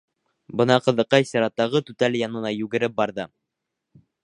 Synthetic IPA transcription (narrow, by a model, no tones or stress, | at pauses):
bɤnɑqɤ̆ðɤ̆qːɑjsiɾɑt̪ːɑʁɤt̪ʉt̪æljɑnɤ̆nɑjʉɡɘ̆ɾɘp̚bɑɾðɤ